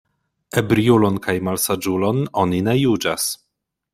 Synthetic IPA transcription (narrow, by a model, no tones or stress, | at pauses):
ebɾiulo̞nkajmalsad͡ʒulo̞no̞nine̞jud͡ʒas